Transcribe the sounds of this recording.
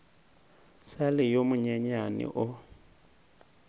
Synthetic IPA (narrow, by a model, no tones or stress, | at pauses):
salɪjomʊɲaɲanɪ̰ʔʊ